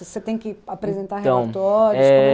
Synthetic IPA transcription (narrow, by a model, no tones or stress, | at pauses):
set̪ẽj̃kɪapɾezẽnt̪aɦet̪ɐ̃w̃t̪ɔɾjʊɛ